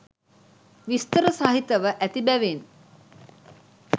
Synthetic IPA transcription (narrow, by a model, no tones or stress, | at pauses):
ʋist̪əɾəsaɦit̪əʋəʔæt̪ibæʋen